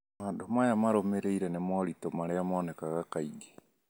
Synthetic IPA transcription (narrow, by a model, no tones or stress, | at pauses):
maːndomajamaɾomeɾeiɾɛnemɔɾitomaɾeamɔːnɛkaɣakaiɡe̥